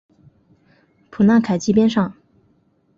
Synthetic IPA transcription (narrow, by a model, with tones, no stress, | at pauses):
pʰu˨˩na˥˩kʰa˨˩ɪt͡ɕi˥pjɛ˥nʂɑ˥˩ŋ